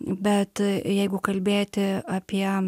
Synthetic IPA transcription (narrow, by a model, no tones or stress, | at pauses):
bʲɛt̪jɛɪɡʊkɐlʲbʲeːt̪ʲɪɐpʲiɛ